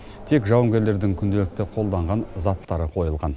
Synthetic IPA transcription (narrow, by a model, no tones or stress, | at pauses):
t̪ʰe̞kʒɑwəŋɡʲe̞ɾle̞ɾd̪ɪŋkʲʰʏnd̪e̞lɪk̚t̪ɪqʰo̞lˠd̪ɑɴʁɑnzɑt̪ːɑɾəqʰo̞jəlˠʁɑn